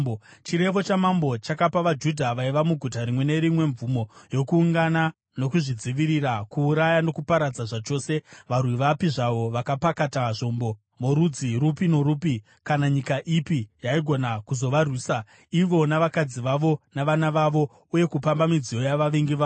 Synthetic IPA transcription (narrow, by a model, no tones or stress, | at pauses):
t͡ʃiɾe̞ʋo̞t͡ʃamambo̞t͡ʃakapaʋad͡ʒudʱaʋaiʋamuɡʱutaɾimwe̞ne̞ɾimwe̞ɱvumo̞jo̞kuːŋɡana | no̞kuʐid͡ziʋiɾirakuːɾajano̞kupaɾad͡zaʐat͡ʃo̞ːse̞ʋarwiʋapiʐaʋo̞ʋakapakataʐo̞mbo̞ | moɾud͡ziɾupino̞ɾuːpi | kanaɲikaʔipijaiɡʱo̞nakuzo̞ʋarwiːsa | iʋo̞naʋakad͡ziʋaʋo̞naʋanaʋaʋo̞ | uje̞kupambamid͡zijo̞jaʋaʋiŋɡiʋaː